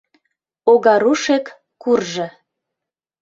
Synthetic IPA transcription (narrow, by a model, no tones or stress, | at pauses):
oɣɑɾuʃekː | urʒɤ̆